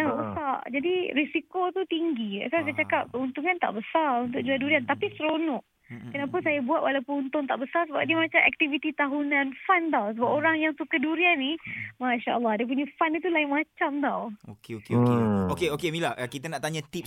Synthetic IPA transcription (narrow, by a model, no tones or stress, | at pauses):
nabəsad͡ʒadiɾisikot̪ut̪iŋɡia̰sasajat͡ʃakap̚kəunt̪uŋant̪a̰ʔbəsaunt̪̬ʊk̚d͡ʒuaduɾiant̪apisəɾonɔʔ | kənapʊnsajabuat̪̚wʔalawpəunt̪ʊŋt̪a̰ʔbəsasəba̰p̚diamat͡ʃamɛ̰k̚t̪ivit̪it̪aɦunãnfant̪awsəbap̚oɾaŋjaŋsukaduɾianːimaʃaʔəlːɑhdiap̬uɲafanit̪ulaɪŋmat͡ʃamt̪awokeokeokeokeokemilaʔkit̪ənaʔt̪aɲat̪ip̚